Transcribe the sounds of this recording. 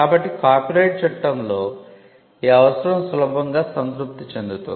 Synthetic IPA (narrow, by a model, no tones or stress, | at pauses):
kaːbɐʈːikaːɾpiɾɐjʈ̚t͡ʃɛʈːɐmlo̞ː | iːɐʋɐsɐɾɐmsulɐbʱɐŋɡaːsɐnt̪ɾup̚t̪it͡ʃend̪ut̪ṵ